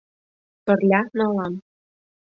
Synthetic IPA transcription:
t̪ɤ̆rlʲɑnɑlˠɑn

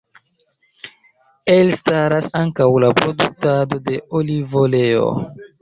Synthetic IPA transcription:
elstaɾasaŋkawlapɾo̞duk̚tado̞de̞ʔolivoleo̰

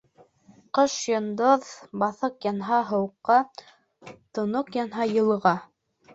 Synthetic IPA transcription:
qɤʃjŏnd̪oðbɑθɤqjɑnɦɑɦɤ̆wqːɑ | t̪ŏnoqjɑnɦɑjɤ̆lˠʁɑ

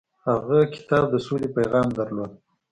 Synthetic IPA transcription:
haɣakɪ̥t̪ɑb̚d̪əsulepajɣɑmd̪aɾlod̪̚

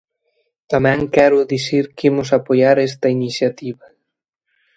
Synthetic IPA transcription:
t̪amɛ̃ŋkɛɾʊðisiɾkimʊsapojaɾɛs̬t̪ɐinisjat̪iβɐ

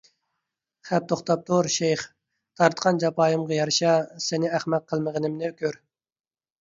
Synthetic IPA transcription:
χɛp̚t̪ʰoχt̪ɑp̚t̪oɾʃejχ | t̪ʰɑɾt̪qɑnd͡ʒɑpɑːjɨmʁɑjɑɾʃɑsenɪæχmɛt̪̚qʰəlˠməʁənɪmnɪkʲøɾ

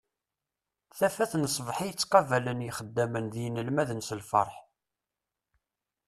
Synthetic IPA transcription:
θæfæθnəsˤvħijət͡sːqɑvælənjiχəd̪ːæmənðijənəlmæðənsəlfɑ̰ɾˤħ

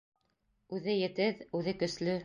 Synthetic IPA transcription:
ʉðɘjɘ̆t̪ɘðʉðɘkɵ̆slɵ

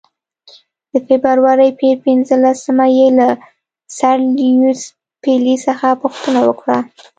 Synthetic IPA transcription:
d̪̥əfebɾaɾwaɾajpeɾpɪnzəlasəmajela | saɾlus | pelisəxapuxt̪ənawə̰kɽa

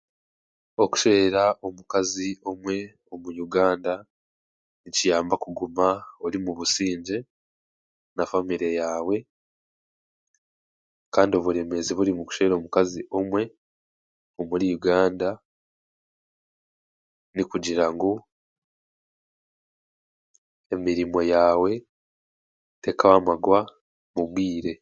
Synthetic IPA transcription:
o̞ku̥ʃeɾaʔo̞mukazio̞mwe̞ | o̞mujuɡaːnda | nicijaːmbakuɡumaolimuβusiːɲɟe̞ | nafamiɾejaːwe̞ | kaːndio̞βuɾe̞me̞ziβuɾimuku̥ʃe̞ːɾo̞mukaziʔo̞mwe̞ | omuɾijuɡaːnda | nikuɟiɾaŋɡo | emiɾimo̞jaːwe̞ | te̞kawamaɡwa | mumwiːɾe̞

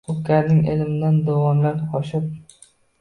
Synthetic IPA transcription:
ʊkʲːaɾnɪŋelɪmɪd̪and̪owɒmlanqɒʃɪp̚

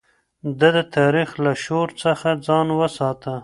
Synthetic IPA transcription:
d̪ad̪ət̪ʰɑɾixlaʃoɾt͡səxad͡zɑnwəsɑt̪ə

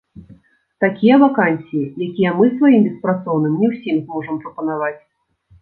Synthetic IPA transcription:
t̪akʲijɐvakanʲsʲijijakʲijɛmɨsvajimbʲɛspɾat̪sɔwn̪ɨmnʲɛwsʲimzmɔʐɐmpɾɐpɐnavat͡sʲ

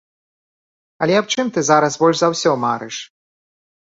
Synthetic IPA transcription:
ɐlʲɛɐp̚t͡ʂɨmt̪ɨzaɾɐsbɔlʲʐzɐwsʲɔmaɾɨʂ

